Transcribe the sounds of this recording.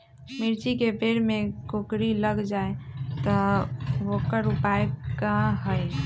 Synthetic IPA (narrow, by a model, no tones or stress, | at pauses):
miɾt͡ʃikebeɽmekokɾiləɡd͡ʒaet̪ɔʋokəɾupaekãɦəj